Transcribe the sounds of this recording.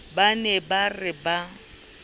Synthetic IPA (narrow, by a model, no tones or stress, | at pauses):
banɛbarɪba